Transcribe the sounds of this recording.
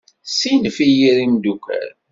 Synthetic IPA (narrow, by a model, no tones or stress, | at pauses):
sinəfijiɾimd̪ukʷæ̰ɾ